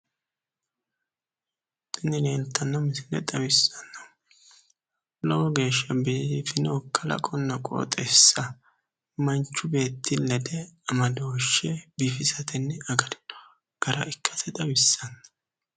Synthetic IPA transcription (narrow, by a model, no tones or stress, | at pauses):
t̪ɪnːɪneːnt̪ːɐnːɐmɪsɪnɛ̰d̪ʼɐwɪsɐnːɐ | lɔwɔɡe̞ːʃːɐbiːfɪnɛɔkʰːɐlɐ̰kʼɔnːɐkʼo̰ːt̪ʼɛsːɐ | mɐnt͡ʃːʊbe̞ːt̪ʰːɪlɛd̪ɛɐmɐd̪oːʃːɛbiːfɪsɐt̪ɪnːɛɐɡɐd̪ɪnːɔ̥ | ɡ̥ɐɾɐʔɪkːɐsɛt̪ʼɐwɪsːɐnːɐ̥